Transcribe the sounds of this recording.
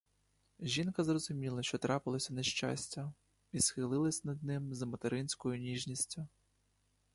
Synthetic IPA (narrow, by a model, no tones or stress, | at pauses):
ʒʲinkɐzrɔzʊmʲilˠɐʃt͡ʃɔt̪ɾɑpɪlˠɔsʲɐneʃt͡ʃa̰sʲtʲɐ | isxɪlˠɪlˠɐsʲnɐd̪̚nɪmzɐmɔt̪eɾɪnʲsʲkɔjʊnʲiʒnʲisʲtʲʊ